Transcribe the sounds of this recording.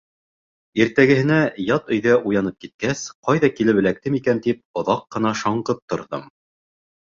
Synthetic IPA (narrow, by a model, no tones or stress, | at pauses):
iɾt̪æɡɘ̆hɘ̆næjɑt̪ɵ̆jðæʔujɑnɤp̚kit̪̚kæsqɑjðɑkilɘβɘ̆læk̚t̪ɘmikænt̪ip̚ŏðɑqːɤ̆nɑʃɑɴɢɤp̚t̪ŏɾðɤ̰m